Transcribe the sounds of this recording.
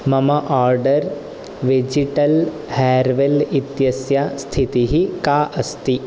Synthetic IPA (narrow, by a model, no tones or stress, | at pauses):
mɐmɐʔaːɾɖɐɾ | ʋed͡ʒiʈɐl | hɛːɾʋelit̪jɐsjast̪ʰit̪iɦikaːʔɐst̪i